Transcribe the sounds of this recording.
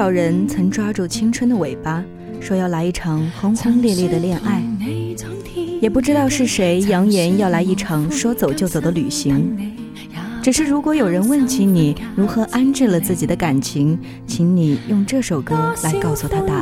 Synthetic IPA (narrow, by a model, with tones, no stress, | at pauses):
ɑ˨˩ʊɻə˧˥nt͡sʰɤ˧˥ŋʈ͡ʂwa˥ʈ͡ʂu˥˩t͡ɕʰi˥ŋʈ͡ʂʰwə˥nd̪ə˨we˨˩ɪpa˥ | ʂwɔ˥jɑ˥˩ʊla˧˥ɪi˥˩ʈ͡ʂʰɑ˧˥ŋxʊ˥ŋxɤ˥ŋljɛ˥˧ljɛ˥˩d̪ə˩ljɛ˥˧nʔa˥˩ɪ | jɛ˨˩pu˥˩ʈ͡ʂɻ̩˥t̪ɑ˥˧ʊʂɻ̩˥˩ʂe˧˥ɪjɑ˧˥ŋjɛ˧˥njɑ˥˩ʊla˧˥ɪi˥˩ʈ͡ʂʰɑ˧˥ŋʂwɔ˥t͡so˨˩ʊt͡ɕjo˥˩ʊt͡so˨˩ʊd̪ə˦ly˨˩ɕi˧˥ŋ | ʈ͡ʂ̩˨˩ʂɻ̩˥˩ɻu˧˥kwɔ˧˥jo˨˩ʊɻə˧˥nwə˥˩nt͡ɕʰi˧˥ni˨˩ɻu˧˥xɤ˧˥ʔa˥nʈ͡ʂɻ̩˥˩lə˩t͡sɹ̩˥˩t͡ɕi˨˩d̪ə˦ka˨˩nt͡ɕʰi˧˥ŋ | t͡ɕʰi˧˥ŋni˨˩jʊ˥˧ŋʈ͡ʂɤ˥˩ʂo˨˩ʊkɤ˥la˧˥ɪkɑ˥˩ʊsu˨˩t̪ʰa˥t̪a˥˩